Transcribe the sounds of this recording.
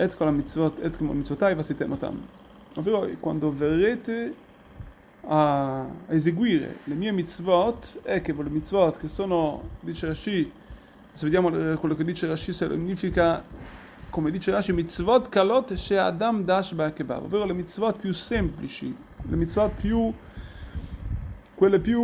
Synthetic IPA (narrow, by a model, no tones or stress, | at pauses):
ɛt̪kolamit͡svot̪ɛt̪kemolmit̪t͡svot̪ajvaset̪emot̪a̰m | oveːɾokwa̰nd̪overet̪e | a | ezeɡwiːɾḛlemiemit̪svot̪ɛkevolemit̪t͡svot̪kesoːnod̪it͡ʃeɾaʃi | seved̪jaːmolekwelːoked̪ːiːt͡ʃeɾaʃisel̰ɲːiːfika | komed̪iːt͡ʃeɾaʃimit̪svɔt̪kalot̪ʃɛa̰d̪amd̪aʃbakeba̰vo̰vːeːɾolemit̪svɔt̪̚pjusɛmplit͡ʃḭ | lḛmit̪svot̪̚pju | kwelːepju